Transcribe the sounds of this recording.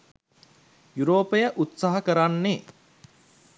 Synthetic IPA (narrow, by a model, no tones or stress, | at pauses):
juɾoːpəjəʔut̪saɦɐkəɾanːe